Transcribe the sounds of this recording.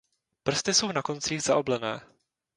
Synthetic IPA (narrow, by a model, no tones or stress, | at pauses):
pr̩st̪ɪso̞wnako̞nt͡siːɣzaʔo̞blɛnɛː